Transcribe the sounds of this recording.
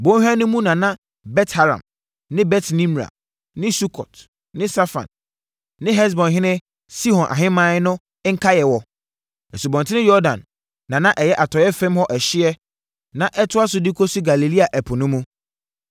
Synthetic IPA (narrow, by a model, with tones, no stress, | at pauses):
bõ˦hᶣã˦nʊ̃˦mũ˦nã˨nã˦ | bɛ˦tha˦ɾã̰˨m | nɪ̃˦bɛ˦tʰnĩ˦m˨ɾa̰˨ | nɪ̃˦su˦kʰɔ̰˨t | nɪ̃˦sa˦fã̰˨n | nɪ̃˦ɦɛ˦s̬bɔ̃˨nɦɪ̃˦nɪ̃˦ | si˦hɔ̃˨nʔã̰˨ɦɪ̃˦mã˦nʊ̃˦ | ŋ̩˦kʰa˦jɛ˨wɔ˨ | ɛ˨su˨bɔ̃˨ntʰɪ˦nɪ̃˦jɔ˦dã̰˨nː | ã˨nã˦ʔɛ˨jɛ˦ʔa˨tʰɔ˨jɛ˦fɛ̃˦mhɔ˦ʔɛ˨ɕɪ˦ɛ˦ | nã˨ʔɛ˦tʰʊ˦a˦sʊ˦di˦kʰɔ˦sʊ˦ɡa˨li˨li˦a˨ʔɛ˨pʰʊ˨nʊ̃˦mũ˦